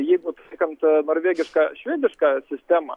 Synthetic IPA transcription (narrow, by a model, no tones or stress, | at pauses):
jiɡnʊt̪ʲɛkʲɐnt̪nɔrvʲeɡʲɪʂkɐɕʲʋʲed̪ʲɪʂkɐsʲɪsʲt̪ʲemɐ̰